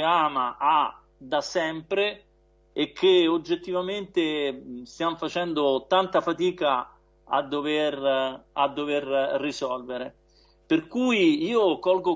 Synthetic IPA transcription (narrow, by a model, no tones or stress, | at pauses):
aːmaʔa | d̪asɛmpɾeː | kʰːeod͡ʒːet̪ːivament̪est̪jamfat͡ʃɛnd̪ot̪ant̪afat̪iːka | a̰d̪ːoverad̪ːoverːisɔlveɾe | perkuːjiiːokɔlɡo